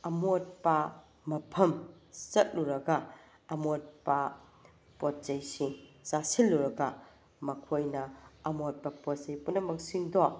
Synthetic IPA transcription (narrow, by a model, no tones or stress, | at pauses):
ɐmot̚pɐ | mɐpʰɐm | sɐt̚luɾɐɡɐ | ɐmot̚pɐ | pot̚t͡ʃɐjsisasilːuɾɐɡɐ | mɐkʰojnɐɐmot̚pɐpotsɐjpunɐmɐksiŋdo